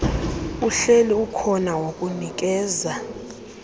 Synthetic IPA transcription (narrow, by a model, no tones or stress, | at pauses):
uɬeliukʰɔnawokʼunik̬ʼɛːza